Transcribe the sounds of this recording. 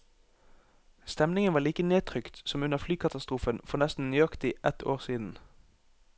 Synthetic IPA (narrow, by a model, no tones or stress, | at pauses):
st̪ɛmnɪŋənʋɑːʁliːkəneːt̪ʰʁʏkt̪sɔmʉnəʁflyːkʰɑt̪ɑst̪ʁuːfənfɔʁnɛst̪n̩nyːɑkt̪ɪʔɛt̪ʰoːʁsiːd̪n̩